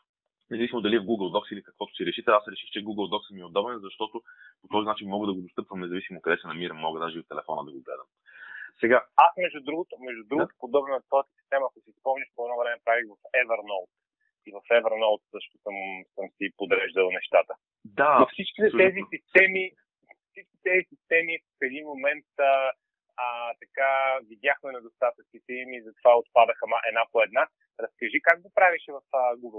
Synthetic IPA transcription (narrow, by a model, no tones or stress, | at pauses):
nɛzɐvisimod̪ɐliɛvɡuɡəlˠd̪ɔksilikəkv̥ɔt̪ʊ̥siɾɛʃit̪ɛasɾɛʃixt͡ʃɛɡuɡəlˠd̪ɔksəmiɛod̪ɔbɛnzɐʃt̪ɔt̪opot̪ɔzinat͡ʃinmɔɡəd̪ɐɡod̪ost̪ɤpvəmnɛzɐvisimokɐd̪ɛsɛnɐmiɾəmːɔɡəd̪aʒɛiot̪ːɛlɛfɔnəd̪ɐɡoɡlɛ̰d̪əm | sɛɡaasmɛʒd̪ʊd̪ɾuɡʊt̪ʊmɛʒd̪ʊd̪ɾuɡ̪ʊ̥pod̪ɔbnt̪vɔjət̪ə̥si̥st̪ɛmɐːkʊsispəmnəʃpoɛd̪nɔvɾɛmɛpɾaviɣvɐfɛvəɾnɔlˠt̪̚ | ivɐfɛvəɾnolˠt̪sɤʃt̪ʊ̥səmsəmsipod̪ɾɛʒd̪əlˠnɛʃt̪at̪ə | d̪aofsit͡ʃki̥t̪ɛt̪ɛzisist̪ɛmi | fsit͡ʃkit̪ɛzisist̪ɛmifɛd̪inmomɛnt̪ə | ət̪ɐkavid̪ʲjaxmɛnɛd̪ost̪at̪ɐt͡ʃnit̪ɛimizɐt̪ovaot̪̚pad̪əxəmaʔɛ̰d̪napoɛd̪na | ɾɐskɐʒikaɡ̚ɡopɾaviʃɛvɐfəɡuɡəlˠ